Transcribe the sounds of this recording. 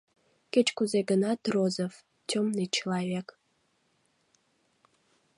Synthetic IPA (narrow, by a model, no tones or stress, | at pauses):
kʲet͡ʃkʷʰʊzeɡɨnat̪rozɐf | tʰʲomnɨt͡ʃʰilˠavʲek